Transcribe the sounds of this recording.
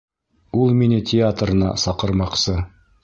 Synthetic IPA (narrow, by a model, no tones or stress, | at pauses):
ulˠminɘtʲɪat̪rɤ̆nɑ̰sɑqɤ̆ɾmɑqsɤ